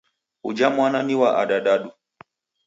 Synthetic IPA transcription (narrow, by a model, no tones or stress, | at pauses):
ud͡ʒamwananiwaʔa̰ɗaɗaɗu